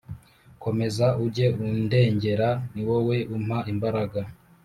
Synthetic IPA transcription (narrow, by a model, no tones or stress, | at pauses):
ko̞me̞zauɾɟe̞unde̞ːɲɟe̞ɾaniwo̞we̞ʔum̥haʔimbaɾaɡa